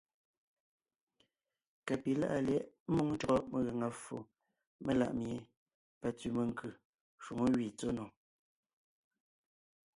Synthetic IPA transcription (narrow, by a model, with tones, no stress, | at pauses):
ka˨pi˨˦la̰˦ʔa˦˨lɛ˦ʔmu˦ŋn˦t͡ʃɔ˨ɣɔ˦ʔmə˨ɣe˨ŋa˨fo̰˨ | me˦˨la̰˨ʔmje˨ | pa˨t͡si˨mə˨ŋ̩˦kʉ˨ | ʃwu˨ŋo˦ɣɥi˨t͡so˦nɔ˨